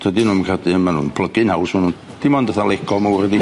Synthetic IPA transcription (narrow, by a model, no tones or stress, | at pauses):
tʰədinuːmkrad̪ɨmanṵnpʰlˠəɡɨnhawsmanun | d̥imand̪əθalekʰɔmawərəd̪i